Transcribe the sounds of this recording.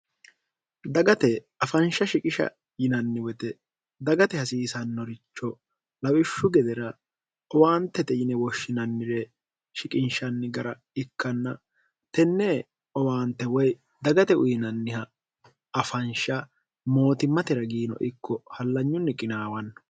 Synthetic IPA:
d̪ɐɡɐt̪ɛ | ɐfɐnʃɐʃɪkʼɪʃɐ̰ | jɪnɐnːɪwɛt̪ɛ | d̪ɐɡɐt̪ɛhɐsiːsɐnːɔɾɪt͡ʃːɔ | lɐwɪʃːʊɡɛd̪ɛɾɐ | ɔwaːnt̪ːɛt̪ɛjɪnɛwɔʃːɪnɐnːɪɾɛ | ʃɪkʼɪnʃɐnːɪɡɐɾɐ | ɪkːɐnːɐ | t̪ɛnːɛ | ɔwaːnt̪ːɛwɔj | d̪ɐɡɐt̪ɛʔʊjɪnɐnːɪhɐ | ɐfɐnʃɐ | mo̞ːt̪ɪmːɐt̪ɪɾɐɡiːnɔ̰ʔɪkːɔhɐlːɐɲːʊnːɪkʼɪnaːwɐnːɐ

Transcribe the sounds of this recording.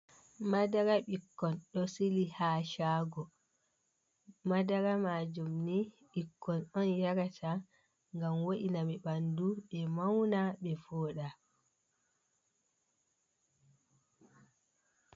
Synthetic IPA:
madaɾaɓikːɔnɗɔsilihaːʃaːɡɔ | madaɾamad͡ʒumni | ɓikːɔnɔnjaɾatʰa | ŋɡamwoʔinamiɓanduɓɛmawnaɓɛfɔːɗa

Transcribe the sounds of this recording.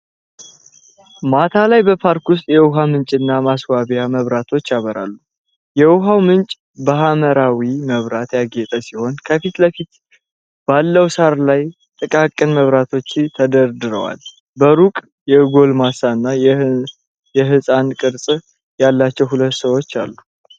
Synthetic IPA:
mat̪ʰalajbəpʰaɾkwʊs̬t̪ʼjɛwʊɦamɨnt͡ʃʼɨnːamaswaβijaməβɾat̪ʰo̞t͡ʃːjaβəɾa̰lːu | jɛwʊɦawmɨnt͡ʃʼ | bəhaməɾawiməβɾat̪jaɡet̪ʼəsiho̞nkʰəfit̪ləfit̪ | b̥alːəwsaɾlaj | t̪ʼɨkʼakʼːɨnməβɾat̪ʰo̞t͡ʃːt̪ʰəd̪əɾd̪ɨɾə̰wa̰l | bəɾukʼ | jɛɡo̞lmasaɨnːa | jɛɦɨsʼankʼɨɾsʼ | jalːat͡ʃːɛwhulət̪ːsəwo̞t͡ʃːa̰lːu

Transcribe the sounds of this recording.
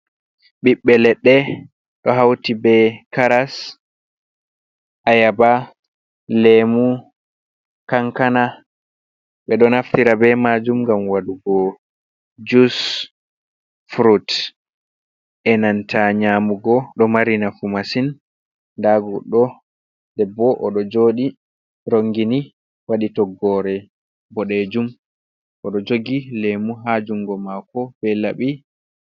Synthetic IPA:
ɓiɓːɛlɛɗːɛ | ɗɔɦawtibɛkaɾas | ʔajaba | lɛmu | kaŋkana | ɓɛɗɔnaftiɾabɛmad͡ʒumɡamwaduɡɔ | d͡ʒus | fɾut | ʔɛnantʰaɲaːmuɡɔɗɔmaɾinafumasin | daɡɔɗɔ | dɛbɔʔɔɗɔd͡ʒoːɗi | ɾoŋɡini | waɗitɔɡɔɾɛ | bɔɗed͡ʒum | ʔɔɗɔd͡ʒoɡilemuɦad͡ʒuŋɡɔmakɔb̥ɛlaɓi

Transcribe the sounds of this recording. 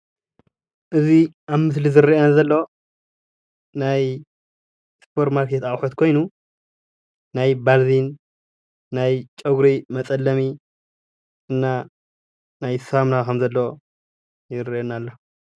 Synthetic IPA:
ʔɨziʔaβmɨs̬lizɨɾiʔenazɐlːo | naj | spʰo̞ɾt̪maɾkʰet̪aʔʼħot̪̚kʰo̞jnu | najbaɾzinː | ajt͡ʃʼɐɡɾimɐt͡sʼɐlːɐmi | ʔɨnːa | najsamnakʰɐmzɐlːo | jɪɾiʔenalːo

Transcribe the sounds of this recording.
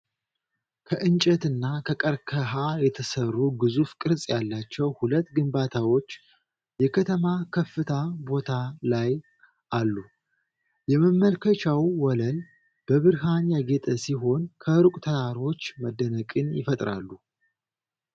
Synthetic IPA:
kʰəʔɨnt͡ʃʼət̪ɨnːakʰəkʼəɾkʰəɦajɛt̪ʰəsərːuɡɨzufkʼɨɾsʼjalːat͡ʃːɛwhulət̪ːɡɨmbat̪ʰawo̞t͡ʃː | jɛkʰət̪ʰəmakʰəfːɨt̪ʰabo̞t̪ʰalaj | ʔalːu | jɛməmːəlkʰət͡ʃawwɔləl | b̥əβɨɾɦanjaɡet̪ʰʼəsiɦo̞nkʰəɾukʷʼt̪ʰət̪ʰaɾo̞t͡ʃːməd̪ːənəkʼɨnjɪfət̪ʼɾa̰lːu

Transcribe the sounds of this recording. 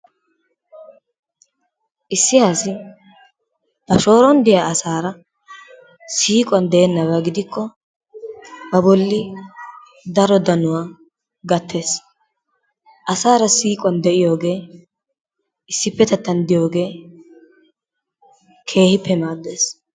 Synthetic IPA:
ʔɪsːɪjaːsɪ | b̥ɐʃo̞ːɾɔnd̪ɪjaːɐsaːɾɐ | siːkʼwɐnd̪ɛɛnːɐβɐɡɪd̪ɪkʰːɔ | bɐbɔlːɪ | d̪ɐɾɔd̪ɐnʊwaː | ɡɐt̪ʰːe̞ːs | ʔɐsaːɾɐsiːkʼwɐnd̪ɛʔɪjo̞ːɡe̞ː | ɪsːɪpːɛt̪ɛt̪ːɐnd̪ɪjo̞ːɡe̞ː | kʰe̞ːhɪpːɛmaːd̪ːe̞ːs

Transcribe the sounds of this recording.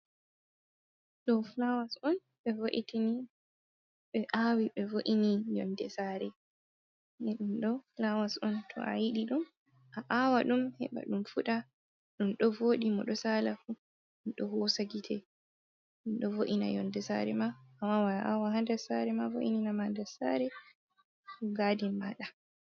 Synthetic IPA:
ɗɔflawasɔn | ɓɛvoʔitini | ɓɛʔawiɓɛvoʔinijɔ̰ndɛsaɾɛ | nɛɗumɗɔflawasɔntʰɔ̰ʔa̰jiɗiɗum | ʔaʔawaɗumhɛ̰ɓa̰ɗumfuɗa | ɗumɗɔvoːɗimɔɗɔsalafu | ɗɔhɔsaɡitʰɛ | ɗumɗɔvoʔina̰jɔ̰ndɛsa̰ɾɛ̰maːmːawanaʔawaɦandɛsaɾɛmavo̰ʔininamaandɛsaɾɛ | uɡaːdimaɗa

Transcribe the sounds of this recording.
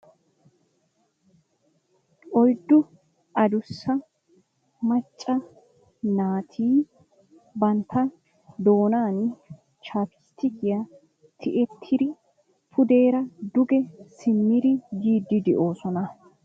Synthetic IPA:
ʔɔjd̪ːʊ | ʔɐd̪ʊsːɐ | mɐt͡ʃʼːɐ | naːt̪ʰiː | bɐnt̪ʰːɐ | d̪o̞ːnaːn | t͡ʃaːpɪ̥st̪ʰːɪkɪjɐ | t̪ʰɪʔɛt̪ʰːɪd̪ɪ | pʰʊd̪e̞ːɾɐd̪ʊɡɛsɪmːɪd̪ɪɡiːd̪ːɪd̪ɪʔo̞ːsɔnɐ

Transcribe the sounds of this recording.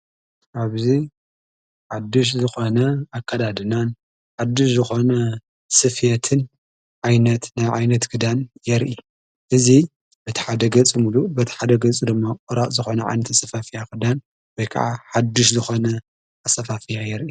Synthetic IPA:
ʔaβzi | ħad̪ːɨʃ̬zɨxo̞nɐakʰːɐd̪ad̪ɨnan | ħad̪ːɨʃzɨxo̞nɐ | sɨfjɛt̪ʰɨn | ʕajnɐt̪najʕajnɐt̪ɡɨd̪anjɛɾʔi | ʔɨzi | bɐt̪ʰi̥ħad̪ɐɡɐt͡sʼɨmulubɐt̪ʰi̥ħad̪ɐɡɐt͡sʼid̪ɨmːakʼɨɾaʔʼzɨxonɐʕa̰jnɐt̪asɐfafijakɨd̪an | wɔjkʰa̰ʕa̰ħad̪ːuʃzɨxo̞nɐ | asɐfafɨjajɛɾʔi

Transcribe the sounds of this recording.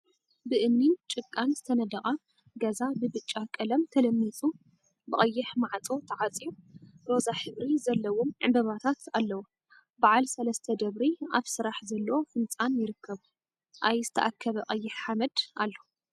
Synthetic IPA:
bɨʔɨmnint͡ʃʼɨkʼːanzɨt̪ʰɐnɐd̪ɐχʼa | ɡɐzabɨbɨt͡ʃʼːakʼɐlɐmt̪ʰɐlɐmːit͡sʼu | bɨχʼɐjːɪħmaʕt͡sʼo̞t̪ʰɐʕat͡sʼijuɾo̞zaħɨβɾizɐlːɐwomʕɨbɐβat̪ʰat̪alːɐwo | baʕalsɐlɐst̪ʰɐd̪ɐβɾiʔaβsɨɾaħzɐlːɐwofɨnt͡sʼanjɪɾɨkʰːɐβu | ʔajzɨt̪ʰɐʔakʰːɐβɐqʼɐjːɪħħamɐd̪ʔalːo

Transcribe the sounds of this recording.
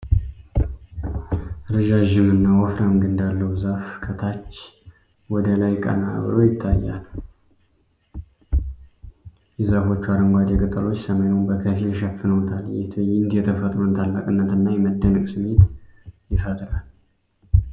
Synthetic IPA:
ɾəʒaʒɪmɨnːawɔfɾamɡɨnd̪alːəwuzafkʰət̪ʰat͡ʃː | wɔd̪əlajkʼə̰na̰βɾojɪt̪ʰːajːa̰l | jɛzafo̞t͡ʃːuaɾəŋɡʷad̪jɛkʼət̪ʼəlo̞t͡ʃːsəməjunbəkʰəfilʃəfɨnəwt̪ʰaljɛt̪ʰjnd̪jɛt̪ʰəfət̪ʼɾunt̪ʰalːakʼɨnːət̪ɨnːajɛməd̪ːənəkʼsɨmet̪jɪfat̪ʰʼɨlal

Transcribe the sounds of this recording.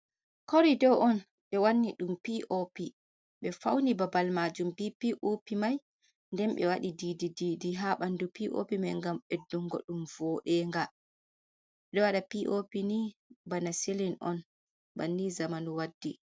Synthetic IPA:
kɔɾidɔwʔɔn | ɓɛwanːiɗumpiʔopi | ɓɛfawnibabalmad͡ʒumpipiʔopimaj | ndɛmɓɛ̰waɗididididiɦaɓandupiʔo̰pimajŋɡamɓɛduŋɡɔ̰ɗumvɔːɗɛŋɡa | ɛɗɛwaɗapiʔopinibanaselinʔɔ̰n | banːizamanuwadːi

